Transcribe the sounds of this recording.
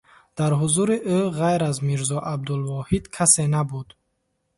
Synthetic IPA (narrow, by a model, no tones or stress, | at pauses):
d̪̥aɾɦuzuɾiʔøɣajɾazmiɾzɔʔab̚d̪ulvɔhid̪kʰase̞nabud̪